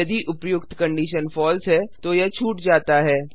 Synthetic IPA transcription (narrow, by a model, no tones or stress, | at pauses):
ɐd̪iʔʊpjʊkt̪kɐ̃ɳɖiːʃənfɔːlsɦɛːt̪ojɐt͡ʃʰuːʈd͡ʒaːt̪aɦɛː